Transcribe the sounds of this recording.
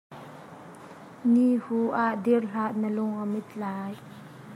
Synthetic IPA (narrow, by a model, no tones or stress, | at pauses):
nihuʔaʔd̪irɬaʔnəlʊŋəmɪt̪̚laːj